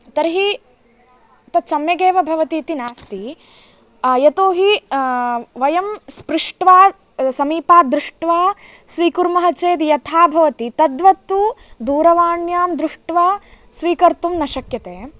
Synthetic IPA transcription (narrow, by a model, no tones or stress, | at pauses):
t̪ɐɾɦi | t̪ɐt̪sɐmjɐɡeːʋɐbʱɐʋɐt̪iːt̪inaːst̪i | jɐt̪oːɦi | ʋɐjɐmspɾɪʂʈʋaː | sɐmiːpaːd̪ɾuʂʈʋaː | sʋiːkuɾmɐɦɐt͡ʃeːd̪jɐt̪ʰaːbʱɐʋɐt̪it̪ɐd̪ʋɐt̪ːud̪uːɾɐʋaːɳjaːmd̪ɾuʂʈʋaːsʋiːkɐɾt̪umnɐʃɐkjɐt̪eː